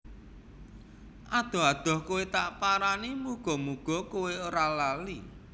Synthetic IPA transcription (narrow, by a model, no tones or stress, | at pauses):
ʔad̪̥ɔ̤ɦad̪̥ɔ̤hkuwet̪aʔpaɾanimuɡ̥ɔ̤muɡ̥ɔkuweoɾalali